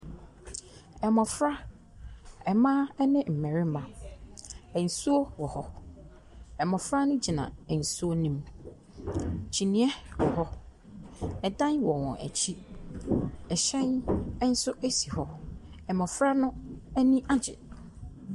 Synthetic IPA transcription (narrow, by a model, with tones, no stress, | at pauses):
ɛ˨mɔ̃˨fɾa˦ | ɛ˨mãː˦ɛ˦nɪ̃˦m̩˨mɛ̃˨ɾɪ˦mã˨ | ɛ˨n̩˨su˦o˦wɔ˨hɔ˦ | ɛ˨mɔ̃˨fɾa˦nʊ̃˦d͡ʑi˨nã̰˨ɛ˨n̩˨su˦o˦nĩ˦m | t͡ɕʰi˨nĩ˦ɛ˦wɔ˨ɦɔ˦ | ɛ˨dã˦nwɔ˨wɔ̰̃˨ʔæ̰˨t͡ɕʰi˦ | ɛ˨ɕɛ̃˦n˦n̩˦sʊ˦ʔæ˦si˨hɔ˦ | ɛ˨mɔ̃˨fɾa˦nʊ̃˦ɛ˦nĩ˦ʔa˦d͡ʑɪ̰˨